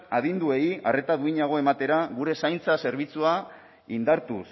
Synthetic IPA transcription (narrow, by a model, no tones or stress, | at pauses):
að̞ind̪ue̞iare̞t̪aðuiɲaɣ̞o̞e̞mat̪e̞ɾaɣuɾe̞sajnt͡sase̞ɾβ̞it͡sua | ind̪aɾt̪us